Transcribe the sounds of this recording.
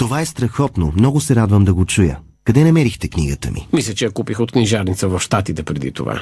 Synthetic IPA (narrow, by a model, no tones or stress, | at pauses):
t̪ovaɛst̪ɾɐxɔt̪nomnɔɡʊsɛɾad̪vəmd̪ɐɡot͡ʃujə̰ | kɐd̪ɛnɐmɛɾixt̪ɛkniɡət̪ə̰mḭmislʲət͡ʃɛjɐkupixot̪kniʒaɾnit̪səvɐfʃt̪at̪it̪ɛpɾɛd̪ḭt̪o̰va̰